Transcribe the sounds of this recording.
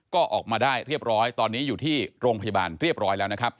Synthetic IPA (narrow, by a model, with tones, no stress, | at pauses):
kɔː˥˩ʔɔː˨˩k̚maː˧daː˥˩jɾi˥˩əp̚ɾɔː˦˥jt̪ɔː˧nːiː˦˥juː˨˩t̪ʰiː˥˩ɾoː˧ŋpʰa˧ja˧baː˧nɾi˥˩əp̚ɾɔː˦˥jlɛː˦˥wna˦˥kʰɾa˦˥p̚